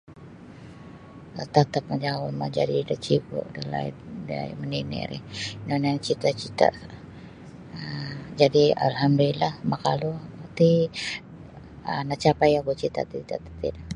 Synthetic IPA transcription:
ət̪at̪ap̚mad͡ʒaŋawuma̰d͡ʒadidat͡ʃibṵʔdəla̰ḭda̰məninɛ̰ɾḭnonaŋt͡ʃit̪at͡ʃit̪a̰ | d͡ʒadia̰lɦamdulilahmakaluat̪i | ənat͡ʃapajakut͡ʃit̪a̰t̪it̪at̪ḁt̪ina

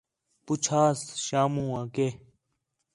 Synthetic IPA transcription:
pʊt͡ʃʰaːsʃaːmũːãːkeː

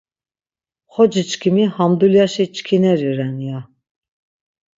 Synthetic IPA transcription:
χɔd͡ʒit͡ʃkʰimihamd̪uljaʃit͡ʃkʰinɛɾiɾɛnija

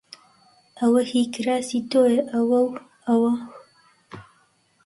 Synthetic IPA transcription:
ʔɐwɐhiːkɨɾaːsit̪oːjeʔɐwɐw | ɐwɐ

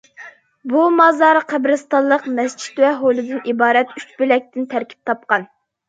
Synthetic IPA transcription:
bumɑzɑɾqʰæbɾɨst̪ɑllˠːəqmɛst͡ʃʰi̥t̪wɛɦolˠɨd̪ɨnibɑːɾɛt̪yt͡ʃbylɛk̚ʲt̪ɪnt̪ʰæɾkʲʰi̥p̚t̪ʰɑp̚qɑn

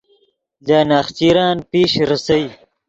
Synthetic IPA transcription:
laːnaːxt͡ɕiːɾɑːnpeːʃɾɐsɐwi

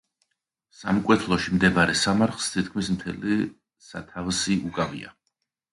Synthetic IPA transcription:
samkʼwɛt̪ʰlˠɔʃimd̪ɛbaɾɛsamaɾχlˠst̪ʰit̪̚ʰkʰmismt̪ʰɛli | sa̰t̪ʰavsiʔukʼavḭa̰

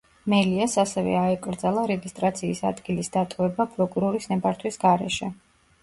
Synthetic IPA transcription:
mɛliasasɛvɛ̰aɛkʼɾd̪zalˠaɾɛɡist̪ʼɾat̪sʰiːsa̰d̪ɡilisd̪at̪ʼɔvɛbapʼɾɔkʼuɾɔɾisnɛbaɾt̪ʰwisɡaɾɛʃɛ

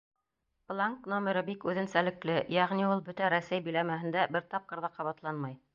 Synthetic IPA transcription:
plˠaŋknomʲeɾɤbikʉðɘ̆nsælɘ̆klɘjæʁniulˠbɵt̪æɾæsæjbɘ̆jlæmæɦɘ̆nd̪æbɘɾt̪ɑp̚qɤ̆ɾðɑqɑβɑt̪lˠɑnmɑj

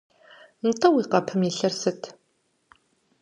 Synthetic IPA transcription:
n̩tʼɐwiqɐpʰɨmiɬɐrsɨtʰ

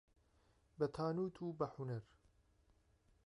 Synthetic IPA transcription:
bɐt̪ʰaːnuːt̪ʰuːbɐħunɐɾ

